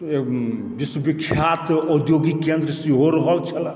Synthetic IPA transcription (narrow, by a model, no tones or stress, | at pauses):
e | biswəbikʰːjat̪ɔd̪joɡikend̪ɾəsiɦoɾɔɦɔlt͡ʃʰɐl